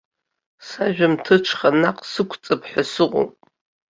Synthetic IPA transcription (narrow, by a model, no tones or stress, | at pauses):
saʒᶣamtʰɨʈ͡ʂʰχanaqʼsɨkʷʰt͡sʼɨpʰħʷᶣasɨqʼo̰pʼ